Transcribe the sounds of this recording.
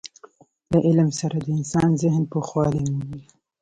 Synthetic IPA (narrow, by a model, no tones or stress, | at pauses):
laʔɪlmsaɾad̪əɪnsɑnzɪhnpəxwɑlɪnwi